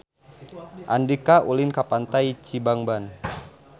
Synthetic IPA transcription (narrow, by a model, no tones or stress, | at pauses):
ʔa̰ndikaʔulinkapant̪ajt͡ʃibaŋban